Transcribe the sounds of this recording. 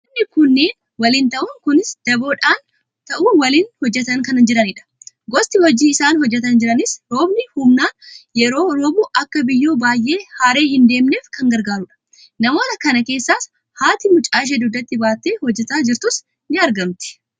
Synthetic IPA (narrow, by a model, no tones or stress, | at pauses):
ɐnɪkʊnːeːn | wɐlɪnt̪ɐʔʊŋkʊnɪsd̪̥ɐbo̞ːᶑaːn | t̪ɐʔuːwɐliːnhɔd͡ʒːɛt̪ɐŋkɐnɐd͡ʒɪɾɐnɪᶑɐ̥ | ɡɔst̪ɪhɔd͡ʒiːɪsaːnhɔd͡ʒːɛt̪̬ɐnd͡ʒɪɾɐnɪsɾoːbnɪhʊmnaːnjɛɾo̞ːɾoːbʊʔɐkːɐbɪjːoːbaːjʔe̞ːhaːɾe̞ːɦɪnd̪eːmne̞ːfkɐŋɡɐɾɡaːɾʊᶑɐ̥ | nɐmo̞ːt̪ɐkɐnɐke̞ːsːaːs | haːt̪ɪmʊt͡ʃʼaːʃ̬eːd̪ʊd̪ːɐt̪ːɪbaːt̪ːeːhɔd͡ʒːɛt̪aːd͡ʒɪɾt̪ʊs | nɪɐɾɡɐmt̪ɪ̥